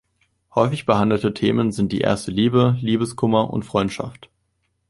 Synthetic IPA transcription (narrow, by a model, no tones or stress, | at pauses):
hɔʏfɪçb̥əhandl̩tətʰeːmənzɪntd̥ḭːʔḛːɐstəliːbəliːbəskʰʊmɐʔʊ̰ntfʁ̥ɔʏntʃa̰ft